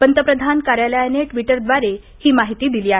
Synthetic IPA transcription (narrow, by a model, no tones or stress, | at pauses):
pənt̪əpɾəd̪ʱankaɾjaləjaneʈʋiʈəɾd̪ʋaɾe | hiːmaɦit̪iːd̪iliːa